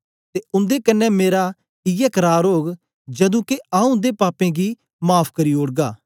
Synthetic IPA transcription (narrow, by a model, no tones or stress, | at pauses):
t̪eʊ̃nd̪ekɐnːɛmeːɾa | ɪjɛkɐɾaːɾɦoːɡ | d͡ʒɐd̪ũːkeaːũd̪epaːpẽɡi | maːpʰkɐɾiːoːɽɡaː